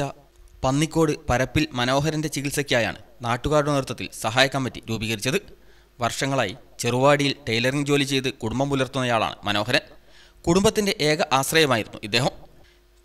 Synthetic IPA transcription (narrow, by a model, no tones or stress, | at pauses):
ɐ | pɐnːikʲːo̞ːɽɨpɐɾɐpːilmɐno̞ːɦɐɾɐnde̞t͡ɕiɣilsɐkʲːijaːja̰ːɳɨ̰naːʈːuɣaːɾuɽɐniɾut̪ːɐt̪ːḭlsɐɦaːjɐkːɐmːitːiɾuːbiːɣɐɾit͡ɕːɐðɨ | ʋɐrʂɐŋːɐɭaːjit͡ɕe̞ruʋaːɽijilʈɐjlɐriŋɡd͡ʑo̞ːlit͡ɕe̞jt̪ɨkuɽumbɐmulɐrt̪unːɐjaːɭa̰ːɳɨ̰mɐno̞ːɦɐɾɐn | kuɽumbɐt̪ːinde̞ʔe̞ːɣɐʔaːɕrɐjɐmaːjiɾunːuʔid̪ːe̞ːɦɐm